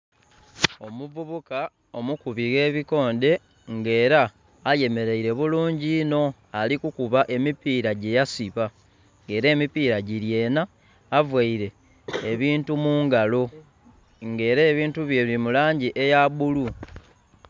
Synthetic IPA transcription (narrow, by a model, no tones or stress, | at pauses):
o̞muvuβuka | o̞mukuβiɣe̞ːβiko̞ːnde̞ | ŋɡe̞ːɾaː | je̞me̞ɾeiɾe̞βuluːɲɟino̞ | alikukuβaʔe̞mipiːɾaɟe̞jasiβa | ŋɡe̞ːɾe̞ːmipiːɾaɟiɾje̞ːnaː | vwaiɾe̞ː | βiːntumuːŋɡalo | ŋɡe̞ːɾe̞ːβiːntuβje̞βimulaːɲɟiʔe̞jaβulu